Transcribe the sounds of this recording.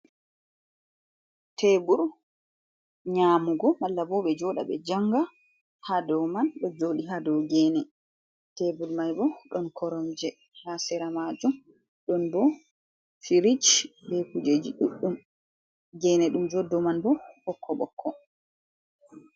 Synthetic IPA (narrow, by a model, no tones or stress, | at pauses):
tʰebuɾ | ɲaːmuɡɔmalːabɔːɓɛd͡ʒɔɗa̰ɓɛ̰d͡ʒaŋɡa | hadɔmanɗɔd͡ʒoːɗiɦadɔɡɛːnɛ | tebuɾmajbɔɗɔnkʰɔɾɔmd͡ʒɛ | hasɛɾamad͡ʒum | ɗɔnbɔ | fiɾit͡ʃbɛkud͡ʒed͡ʒiɗuɗːum | ɡɛːnɛɗumd͡ʒɔdːɔmanbɔɓɔkʰːɔɓɔ̰kʰːɔ